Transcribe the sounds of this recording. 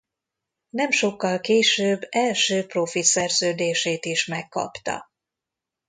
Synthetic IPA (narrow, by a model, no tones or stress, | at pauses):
nɛmʃo̞kːɒlkeːʃøːbːɛlʃøːpro̞fit̪sɛrzøːd̪eːʃeːt̪iʃmɛkːɒ̰pt̪ɒ̰